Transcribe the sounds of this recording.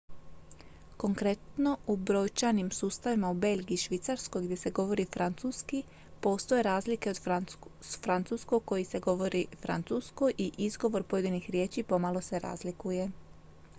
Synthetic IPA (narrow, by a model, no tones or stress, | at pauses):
ko̞ŋkɾe̞t̪no̞ubɾo̞ːjt͡ʃanimsuːst̪aʋimaube̞lɡiːʃʋit̪saɾsko̞jɡd̪je̞se̞ɡo̞ʋo̞ɾifɾʔant̪suski | po̞ːst̪oje̞ɾaːzlike̞od̪ | fɾant̪suskoko̞jise̞ɡo̞ʋo̞ɾifɾa̰nt̪susko̞jʔiʔizɡo̞ʋo̞ɾpoje̞d̪inixɾje̞ːt͡ʃipo̞malˠo̞se̞ɾa̰ːzlikuje̞